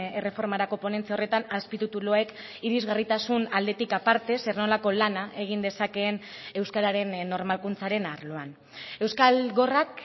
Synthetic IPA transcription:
e̞re̞fo̞ɾmaɾako̞po̞ne̞nt͡siao̞re̞t̪anaspit̪ut̪uloek | iɾizɣarit̪asunald̪e̞t̪ikapaɾt̪e̞seɾno̞lako̞lanaʔe̞ɣ̞ind̪e̞sake̞ːn | e̞wskaɾaɾe̞nːo̞ɾmalkunt͡saɾe̞naɾlo̞an | e̞wskalɣo̞rak

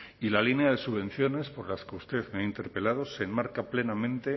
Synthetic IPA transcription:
ilalineaðe̞suβẽ̞n̟θjo̞ne̞spo̞ɾlaskeust̪e̞ðmeaint̪e̞ɾpe̞lað̞o̞se̞ːmmaɾkaple̞namẽ̞nt̪e

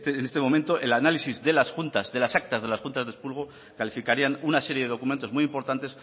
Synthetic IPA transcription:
t̪eːnest̪e̞mo̞mẽnt̪o̞ʔelanalisizðe̞lasxunt̪azðe̞lasak̚t̪azðe̞lasxunt̪azðe̞spulɣ̞o̞ | kalifikaɾianunase̞ɾje̞ðe̞ð̞o̞kument̪o̞zmujimpo̞ɾt̪ant̪e̞s

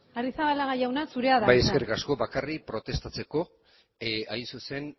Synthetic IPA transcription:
arisaβalaɣajawnasuɾe̞aðabajeskerkasko̞bakaripɾo̞t̪e̞st̪at͡se̞ko̞ | ajnsuse̞n

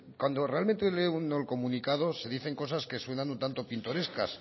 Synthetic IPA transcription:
kwand̪o̞re̞alment̪eeleunolko̞mũnikaðo̞se̞ðiθe̞ŋko̞saske̞swe̞nãnunt̪ant̪o̞pint̪o̞ɾe̞skas

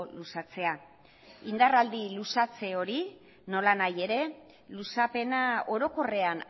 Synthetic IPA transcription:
lusat͡se̞a | ind̪arald̪ilusat͡se̞o̞ɾi | no̞lanaje̞ɾe̞ | lusape̞nao̞ɾo̞ko̞re̞an

